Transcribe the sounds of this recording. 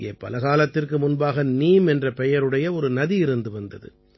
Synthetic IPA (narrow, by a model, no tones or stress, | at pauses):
ḛːpːɐlɐɣaːlɐt̪ːɪrkɯmʊnbaːɣɐniːmɛndrɐpɛjɐɾɯɽɐjɐɔɾɯnɐðiɪɾɯnd̪ɯʋɐnd̪ɐðɯ̰